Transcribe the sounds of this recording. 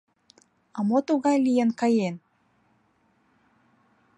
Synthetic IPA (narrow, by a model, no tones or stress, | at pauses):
ɑmot̪uɣɑjlijənkɑjen